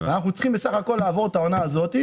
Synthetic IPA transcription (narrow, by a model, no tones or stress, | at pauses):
eanaχnut͡sχimbesaχako̞lːaːvo̞ʁet̪ao̞naːzo̞t̪i